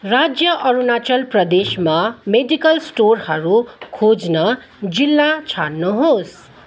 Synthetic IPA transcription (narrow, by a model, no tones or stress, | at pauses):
rad͡zjʌʔʌɾunat͡sʌlprʌd̪esmameɖikʌlsʈorhʌɾukʰod͡znʌ | d͡zilːat͡sʰaɽnuɦos